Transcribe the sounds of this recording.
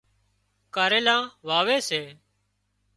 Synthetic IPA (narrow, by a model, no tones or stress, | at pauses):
kaːɾeːlãːʋaːʋeːseː